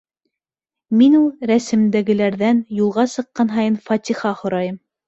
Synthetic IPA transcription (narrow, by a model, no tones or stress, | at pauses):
minulˠɾæsɘ̆md̪æɡɘ̆læɾðænjulˠʁɑsɤ̆qːɑnɦɑjɤnfɑt̪ʲiχɑχŏɾɑjɤm